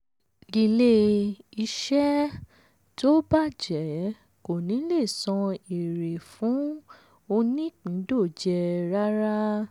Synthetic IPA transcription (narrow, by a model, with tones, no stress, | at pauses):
ɡi˧le˧˦i˧ʃɛ˦ | to˦ba˦˨d͡ʒɛ˨˦ | ko˨nĩ˨˦le˦˨sɔ̃˧e˨ɾe˨fũ˨˦ | o˧nĩ˦k͡pĩ˨˦do˦˨d͡ʒɛ˧ɾa˦ɾa˦